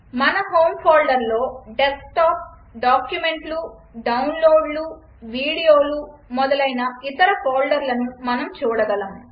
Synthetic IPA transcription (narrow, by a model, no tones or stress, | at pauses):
mɐnɐɦoːmpʰaːlɖɐɾlo̞ːɖeskʈaːp̚ | ɖaːkjume̞ɳʈlu | ɖɐwnloːɖlu | ʋiːɽijoːlumɔd̪ɐlɐjnɐit̪ɐɾɐpʰaːlɖɐɾlɐnumɐnɐmt͡ʃuːɽɐɡɐlɐm